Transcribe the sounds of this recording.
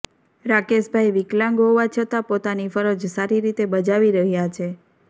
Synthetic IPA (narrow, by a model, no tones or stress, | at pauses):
ɾakeʃbʱaiʋiklãŋɡɦoʋat͡ʃʰət̪apot̪anifəɾəd͡ʒsaɾiɾit̪ebəd͡ʒaʋiɾəɦjat͡ʃʰe